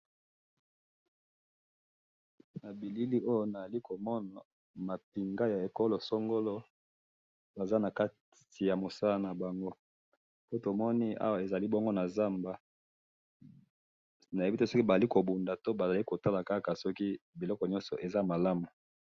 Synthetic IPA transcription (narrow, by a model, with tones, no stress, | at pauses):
na˨bi˨li˦li˦ʔo˦jo˦na˨za˨li˦ko˨mɔ˦na˨ | ma˨p̚i˨ŋɡa˦ja˨e˨ko˦lo˨so˦ŋɡo˦lɔ˦ | ba˨za˦na˨ka˦t | i˨ja˨mo˨sa˦la˦na˨ba˨ŋɡo˦ | po˦to˨mɔ˦ni˦a̰˦wa˨e˨za˨li˦bɔ˦ŋɡo˦na˨za˦mba˦ | na˨je˦bi˦te˦sɔ˦ki˦ba˨za˨i˦ko˨bu˨nda˨to˦ba˨za˨li˦ko˨ta˦la˨ka˦ka˨sɔ˦ki˦bi˨lɔ˦kɔ˨ɲɔ̃˦nsɔ̰˨ʔe˨za˦ma˨la˦mu˨